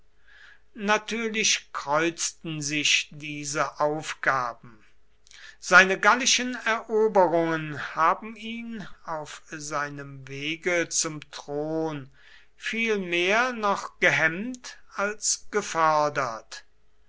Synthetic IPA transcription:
natʰyːɐlɪʃkʁ̥ɔʏt͡stn̩zɪʃdiːzəʔaʊfɡ̥aːbm̩ | z̥aɪnəɡalɪʃənɛɐʔoːbəʁʊŋənhaːbm̩iːnaʊfzaɪnəmveːɡət͡sʊmtʁ̥oːn | fiːlmeːɐnɔχɡ̥əɦɛmtalsɡ̥əfɔɐdɐt

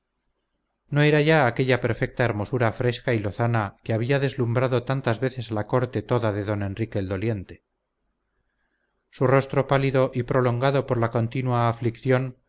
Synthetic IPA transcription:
no̞e̞ɾaʝaːke̞ʎape̞ɾfe̞k̚t̪aeɾmo̞suɾafɾe̞skailo̞θanakeaβ̞iaðe̞zlumbɾaðo̞t̪ant̪azβe̞θe̞salako̞ɾt̪e̞t̪o̞ðaðe̞ðo̞ne̞nrike̞ːld̪o̞lje̞nt̪e̞̥ | suro̞st̪ɾo̞paliðoʔipɾo̞lo̞ŋɡaðo̞po̞ɾlako̞nt̪inwaːflikθjo̞n

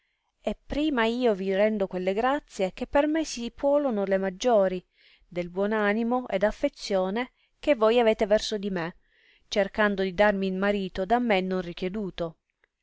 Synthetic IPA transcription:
epːɾiːmaiːovirɛnd̪okwelːeɡɾat̪sːjek̟epːermesipʰwɔːlonolemad͡ʒːoːɾi | d̪elbwɔnanimoʔed̪afːet̪sjoːne | kevːɔjaveːt̪evɛrsod̪ime | t͡ʃerkand̪od̪id̪armiːlmaɾiːt̪od̪amːenːonrikjed̪uːt̪o

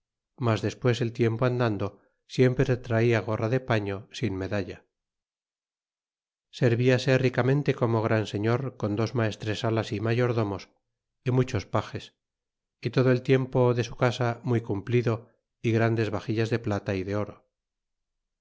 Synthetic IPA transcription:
mazðe̞spwe̞se̞lt̪je̞mpoand̪and̪o̞ | sje̞mpɾet̪ɾaiaɣ̞o̞raðe̞paɲo̞sinme̞ðaʎa | se̞ɾβiase̞rikamẽ̞nt̪e̞ko̞moɣ̞ɾanse̞ɲo̞ɾko̞nd̪o̞zmae̞st̪ɾesalasimaʝo̞ɾðo̞mo̞s | imut͡ʃo̞spaxe̞s | it̪o̞ðoe̞lt̪je̞mpo̞ðe̞sukasamujkumpliðo̞ | iɣɾand̪e̞zβaxiʎazðe̞plat̪aiðe̞o̞ɾo̞

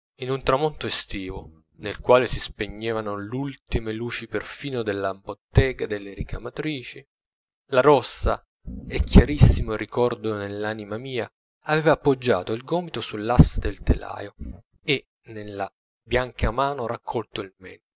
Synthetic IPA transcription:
inunt̪ɾamont̪oest̪iːvo | nelkwaːlesispeɲːeːvanolult̪imeluːt͡ʃiperfiːnod̪elːambot̪ːɛːɡad̪elːeɾikamat̪ɾiːt͡ʃi | laɾɔsːa̰ | ekʰːjaɾisːimoɾikɔrd̪onelːaːnimamiːa̰ː | vɛːvaːpːod͡ʒːa̰ːt̪oilɡɔːmit̪osulːasːad̪elt̪ela̰ːjo | e | nelːa | bjaŋkʰamaːnoɾakʰːɔlt̪oilmɛ̰nt̪

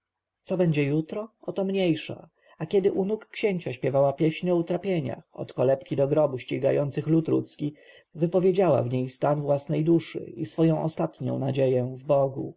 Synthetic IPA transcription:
t̪sɔbɛɲd͡ʑɛjut̪ɾɔɔt̪ɔmɲejʂa̰ | akʲɛd̪ɘʔunukːɕeɲt͡ɕaɕpʲjɛvawapʲjɛɕɲɔut̪ɾapʲjeɲa̰ɔ̰t̪kɔlɛpkʲid̪ɔɡɾɔbuɕt͡ɕiɡa̰jɔnt̪sɘxlut̪ɾṵt̪skʲi | vɘpɔvʲjed͡ʑawa̰vɲejst̪anvwasnɛjd̪uʂɘ̰isfɔjɔ̃w̃ʔɔst̪at̪ɲɔ̰̃w̃nad͡ʑejɛ̃vbɔɡṵ

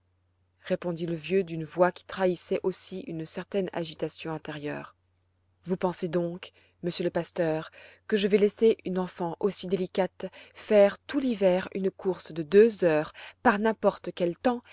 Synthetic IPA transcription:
ʁepɔ̃d̪iləvjød̪ynvwakʲi̥t̪χaisɛʔosiynsɛʁt̪ɛna̰ʒit̪asjɔ̃ɛ̃t̪eʁjœ̰ːʁ | vupɑ̃sed̪ɔ̃k | məsjøləpast̪œːʁkəʒəvɛlɛseʔynɑ̃fɑ̃ʔosid̪elikat̪fɛʁt̪ulivɛʁy̰nkʰuʁsd̪əd̪øzœːʁpaʁnɛ̃pɔʁt̪kʲɛlt̪ɑ̃

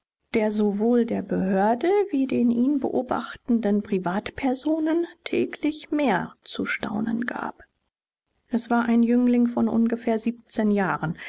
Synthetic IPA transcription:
d̥eːɐzovoːldeːɐbəhøːɐdəviːdeːnʔiːnbə̰ʔoːba̰χtn̩dənpʁ̥ivaːtpʰɛɐzoːnəntʰɛ̰ːkʰlɪçmeːɐt͡suʃtʰa̰ʊnə̰nɡa̰ːp | ʔɛsv̥aːɐʔaɪnjʏŋlɪŋfɔnʔʊ̰nɡəfeːɐziːp̚t͡seːnjaːʁən

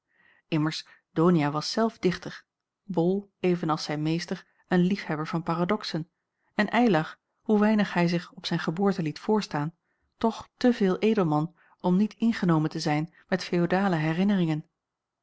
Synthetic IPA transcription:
ɪməɹs | d̥oːnijaːʋɑsːɛlˠvdɪχtəɹ | bɔlˠejvənɑlˠsɛjnmejstəɹ | ənlifhɛbəɹvɑnpaːradɔksən | ɛnʔɛjlɑχ | ɦuʋɛjnəχhɛjzɪχɔpsɛjnχəbʊːɹtəlitfʊːɹstaːn | tɔχtəvɪːlˠʔejdəlˠmɑn | ɔmnitɪnχənowməntəzɛjn | mɛtfejodaːləɦɛrɪnərɪŋən

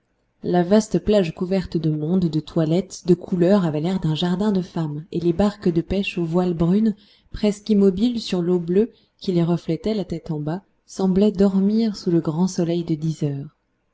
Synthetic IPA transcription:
lavast̪əplaʒkuvɛʁt̪d̪əmɔ̃d̪ːət̪walɛt̪d̪əkʰulœʁavɛlɛʁd̪ɛ̃ʒaʁd̪ɛ̃d̪əfamelebaʁkd̪əpɛʃovwalbʁyn | pχɛskimɔbilsyʁloblø | kʲileʁəflɛt̪ɛlat̪ɛt̪ɑ̃ba | sɑ̃blɛd̪ɔʁmiʁsuləɡʁɑ̃sɔlɛjd̪əd̪izœːʁ

